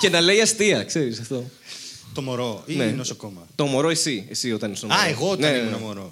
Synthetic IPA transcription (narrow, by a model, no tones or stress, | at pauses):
ce̞nɐle̞jɐst̪iɐkse̞ɾisɐft̪o̞t̪omoɾoinenoskomɐt̪o̞mo̞ɾo̞esiesio̞t̪ɐnest̪omɐeɣootnɐeenɐmoɾo